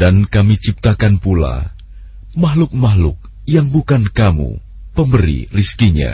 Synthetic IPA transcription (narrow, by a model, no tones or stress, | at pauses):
dankamit͡ʃip̚t̪akanpula̰ | maɦlʊk̚maɦlʊk̚ | jaŋbukankamṵ | pəmbəɾḭriskiɲa̰